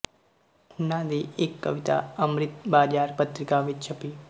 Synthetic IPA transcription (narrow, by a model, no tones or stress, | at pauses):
ʊnaːd̪iʔekːɐʋɪt̪a̰ɐmɾɪt̪baːɾjaːɾpət̪ɾɪkaːʋɪt̪t͡ʃʰɐpiː